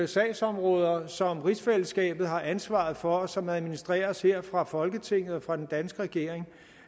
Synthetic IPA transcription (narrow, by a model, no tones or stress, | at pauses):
esɛ̰ːsɒ̽mʁɔ̽ːð̞ˠɐsɒ̽mʁisfeləsɡ̥ɛ̰ːb̥ð̞̩ˠɦɑ̈ʔænsʋɑ̈ð̩ˠfɒ̽sɒ̽mæðˠminisd̥ʁɛ̰ːɐshe̝ɐ̰fʁɑ̈fɒ̽lɡ̥ət͡sʰe̝ŋ̰ð̩ˠɒ̽fʁɑ̈d̥end̥ænsɡ̥əʁɛɡ̥e̝ɐ̰eŋ